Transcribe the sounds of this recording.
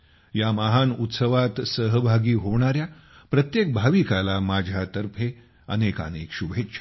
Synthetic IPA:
jamaɦanut̪səʋat̪səɦəbʱaɡiːɦoʋɳ̃aɾja | pɾət̪jek̚bʱaʋikalamad͡ʑʱjat̪əɾpʰe | əneka̰nḛkɕubʱetːɕʰḁ

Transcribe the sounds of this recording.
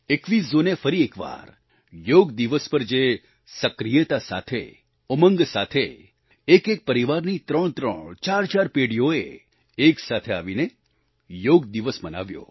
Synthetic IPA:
ekʋisd͡ʒonefəɾiekʋa̰ɾ | joɡd̪iʋəspəɾd͡ʒe | səkɾijət̪asa̰t̪ʰḛ | ɔməŋɡsat̪ʰeː | kek̚pəɾiʋaɾnit̪ɾəɳ̃t̪ɾə̰ɳt͡ʃaɾt͡ʃaɾpeɽijoḛː | ksat̪ʰea̰ʋine | joɡ̚d̪iʋəsməna̰ʋjo̰

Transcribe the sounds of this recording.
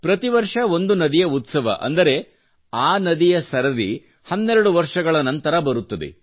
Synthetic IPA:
pɾɐt̪iʋɐɾʂɐo̞nd̪unɐd̪ijɐut̪sɐʋɐ̰ʔɐ̰nd̪ɐɾe̞ | aːnɐd̪ijɐsɐɾɐd̪ḭ | hɐnːɛɾɐɽuʋɐɾʂɐɡɐɭɐnɐnt̪ɐɾɐbɐɾut̪ːɐd̪ḛ

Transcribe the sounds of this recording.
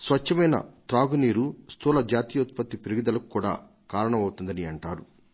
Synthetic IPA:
sʋɐt͡ʃːɐmɐjnɐ̰t̪ɾaːɡuniːɾust̪ʰuːlɐd͡ʒaːt̪iːjɐut̪̚pɐt̪ːipiɾuɡid̪ɐlɐkukuːɽa̰ː | kaːɾɐɳɐmɐwut̪und̪ɐniɐɳʈaːɾu

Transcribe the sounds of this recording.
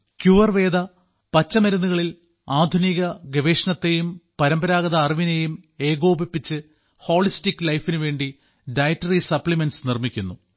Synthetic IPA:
kjuːʋɐrʋe̞ːd̪ɐ | pɐt͡ɕːɐmɐɾɐnːuɣɐɭil | aːd̪ʱuniɣɐɡeʋeːʂɐɳɐt̪ːe̞jumpɐɾɐmbɐɾaːɡɐðɐːriʋinejume̞ːɣo̞ːbipːit͡ɕːɨ | ho̞ːɭistikːɨlɐjfinuʋe̞ːɳɖi | ɖɐjtːɐrisɐpɭimensnirmikʲːunːu

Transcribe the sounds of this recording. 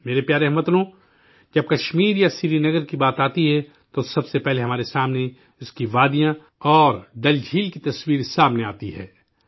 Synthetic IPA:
meːɾepjaːɾeɦmɐt̪lõ | d͡ʒɐb̚kɐʃmiːɾjasiːɾinɐɡəɾkibaːt̪aːt̪iɦɛ | t̪osɐbsepɛɦleɦɐmaːɾesaːmne | ɪskiʋaːd̪ijã | ɔːɾɖɐld͡ʒʱiːlkit̪ɐswiːɾsaːmnea̰ːt̪iɦɛ̰ː

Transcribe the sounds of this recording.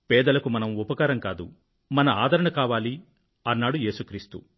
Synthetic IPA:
pɛːd̪ɐlɐkumɐnɐmupɐkaːɾɐŋkaːd̪ṵ | mɐnɐaːd̪ʱɐɾɐɳɐkaːʋaːli | ɐnːaːɽuje̞ːsukɾiːst̪ṵ

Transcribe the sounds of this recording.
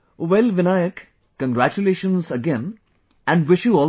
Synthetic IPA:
wɛlʋɪnajəkː | ə̃nɡɾæt͡ʃuleːʃə̃nzəɡɛ̃n | æ̃ɳɖwɪʃjuɔːl

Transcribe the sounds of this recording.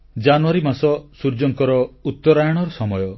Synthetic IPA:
d͡ʒanuwaɾimasɔsuɾd͡ʒɔŋkɔɾɔut̪ːɔɾajɔɽ̃ɔɾɔsɔmɔjɔ

